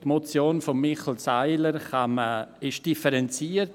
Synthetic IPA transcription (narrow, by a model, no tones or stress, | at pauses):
tmot͡sjoːnfɔmːɪχl̩saɪləɾχaməɪʃd̥ifəɾɛnt͡siːəɾt